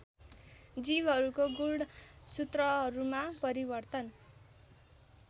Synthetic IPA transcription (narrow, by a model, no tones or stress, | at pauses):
d͡zibɦʌɾukoɡulɽsut̪rʌɦʌɾumapʌɾibʌrt̪ʌn